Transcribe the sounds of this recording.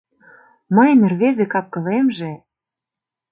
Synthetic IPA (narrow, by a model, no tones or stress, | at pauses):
mə̆jnerβezekɑp̚kɤ̆lemʒe